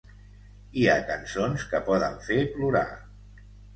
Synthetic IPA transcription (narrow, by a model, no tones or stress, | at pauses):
iakənsonskəpɔðəɱfepluɾa̰